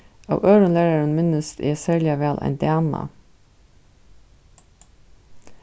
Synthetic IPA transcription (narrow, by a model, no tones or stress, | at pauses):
ɑ̰ːʋœːɾənlæːɾaɹənmɪnəst̪ḛːsæːɹlɪaʋæːlʔæ̰ɪnd̪ɪɛmɑ̰